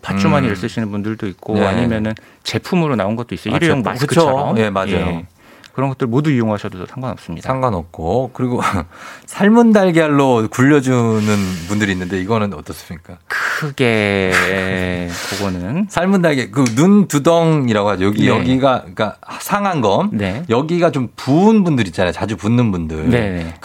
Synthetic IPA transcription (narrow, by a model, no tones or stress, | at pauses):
pat͡ɕ͈umaɲiɭs͈ɯɕʰinɯnbundɯɭdoik̚k͈oa̰ɲimjʌnɯn | t͡ɕe̞pʰumɯɾonaonɡʌt͈̚ois͈ʌoiɾɯjoŋakɯkɯt͡ɕʰoje̞majd͡ʑajo | kɯɾʌnɡʌt͈ɯɾɭmoduijoŋɦaɕʰʌdotʌsʰaŋɡwanʌ̰p̚s͈ɯmɲidaaŋɡwanʌp̚k͈okɯɾiɡosʰaɭmundaɭɡjaɭːokuʎːʌd͡ʑunɯnpundɯɾinːɯnde̞iɡʌnɯnʌt͈ʌs͈ɯmɲik͈akɯɯɡe̞ekoɡonɯnsʰaɭmundaɭɡekɯnuntudʌŋiɾaɡohad͡ʑojʌɡijʌɡiɡaik͈asʰaŋɦanɡʌnnejʌɡiɡat͡ɕompuːnbundɯɾitt͡ɕ͈anajot͡ɕad͡ʑupunːɯnbundɯɭnene